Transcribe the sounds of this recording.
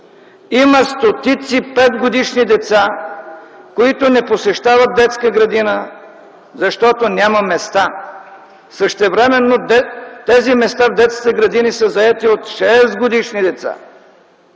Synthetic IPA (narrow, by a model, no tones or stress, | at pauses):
iməst̪ot̪it̪sipɛd̪ɡod̪iʃnid̪ɛt̪sa | koit̪onɛposɛʃt̪avət̪̚d̪ɛt̪skəɡɾɐd̪inə | zɐʃt̪ɔt̪onʲamɐmɛst̪a | səʃt̪ɛvɾɛmɛnːot̪ɛzimɛst̪avd̪ɛt̪skit̪ɛɡɾɐd̪inisəzɐɛt̪iot̪ʃɛsɡod̪iʃnid̪ɛt̪sa̰